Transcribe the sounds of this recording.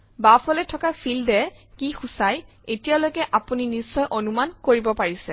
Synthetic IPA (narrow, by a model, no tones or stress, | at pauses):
bafɔlɛtʰɔkapʰildɛkixusaj | etijalojkɛʔapuninisːɔjʔonumankoɹibɔpaɹisɛ